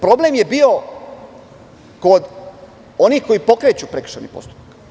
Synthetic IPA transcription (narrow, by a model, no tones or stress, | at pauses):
pɾo̞ble̞mje̞bio̞ | ko̞d̪ | o̞niːhko̞jipo̞kɾe̞t͡ɕupɾekr̥̩ʃanḭpo̞̰st̪u̥pak